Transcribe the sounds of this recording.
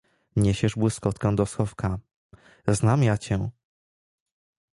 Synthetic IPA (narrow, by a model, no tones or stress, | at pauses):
ɲeɕɛʐbwɘskɔt̪kɛ̃w̃d̪ɔsxɔfka | znamjat͡ɕɛ